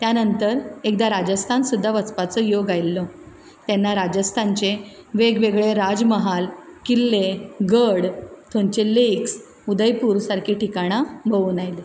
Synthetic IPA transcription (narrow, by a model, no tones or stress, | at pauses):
t̪janənt̪əɾek̚d̪aɾad͡ʑəst̪ʰansud̪ʱːaʋət͡spat͡səjoɡajlːɔ | t̪ɛnːaɾad͡ʑəst̪ʰaɲt͡ɕeʋeɡʋeɡɭeɾad͡zməɦalkilːeɡəɽt̪ʰõɲt͡ɕeleks | ud̪əjpuːɾsaɾkʰiʈikaɽ̃abəʋunajle